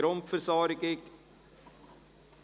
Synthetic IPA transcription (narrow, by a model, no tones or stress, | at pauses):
ɾɔmpfəɾsɑːɾɪkɛk